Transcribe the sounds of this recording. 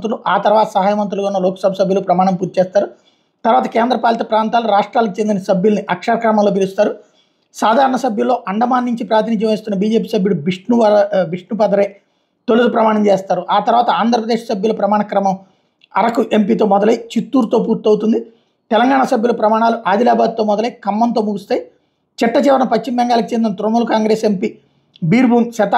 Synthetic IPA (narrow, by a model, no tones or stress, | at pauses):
t̪ɾuluʔaːt̪ɐɾʋaːt̪ɐsɐɦaːjɐmɐnt̪̬ɾuluɡaunːɐlɔːkɐ̥sɐbʱɐsɐbʱjulupɾɐmaːɳɐmpuːɾt̪it͡ʃeːst̪aːɾu | t̪ɐɾʋaːt̪ɐkeːnd̪ɾɐpaːljɐt̪ɐpɾaːnt̪aːluɾaːʂʈɾaːlikit͡ʃe̞nd̪inɐsɐbʱjulniʔɐkʂaɾkɾɐmɐmlo̞ːp̬ilust̪aːɾu | saːd̪ʱaːɾɐɳɐsɐbʱjulːo̞ːʔɐɳɖɐmaːnːiɲt͡ʃipɾaːt̪inid͡ʒjɐme̞ːst̪unːɐbiːd͡ʒeːp̬iːsɐbʱjulubiʂɳuɐbiʂɳupɐd̪ɐɾɐj | t̪olud̪upɾɐmaːɳɐmt͡ʃeːst̪aːɾuʔaːt̪ɐɾuʋaːt̪ɐaːnd̪ʱɾɐpɾɐd̪eːʂsɐbʱjulupɾɐmaːɳɐkɾɐmɐm | ɐɾɐkuʔempiːt̪̬o̞ːmɔd̪ɐlɐjit͡ʃit̪ːuːɾt̪o̞ːp̬uːɾt̪ɐwt̪und̪i | t̪ɛlɐŋɡaːɳasɐbjulupɾɐmaːɳaːluʔaːd̪ilaːbaːd̪̚t̪o̞ːmɔd̪ɐlɐjkɐmːɐnt̪o̞ːmuɡust̪aːji | t͡ʃiʈːɐt͡ʃɛːʋɐɾɐmupɐt͡ʃːimbɛŋɡaːlɐkit͡ʃend̪inɐt̪ɾomulɐkaːŋɡɾeːsempiː | biːɾbuːŋʃɐt̪a